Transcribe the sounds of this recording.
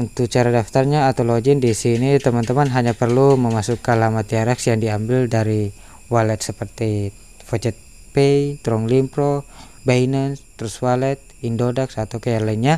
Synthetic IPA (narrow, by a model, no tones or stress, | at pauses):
unt̪ut͡ʃaɾadaft̪arɲaːt̪alod͡ʒindisinit̪əmant̪əmanɦaɲapərluməmasukanlamat̪̚iaɾɛksjaŋdiambɪldaɾi | walɛt̪̚səpərt̪i | fɔd͡ʒɛt̪̚ | peit̪ɾɔŋlimpɾo | bainənst̪əɾuswalɛt̪̚indodaksat̪awkajaŋlainɲa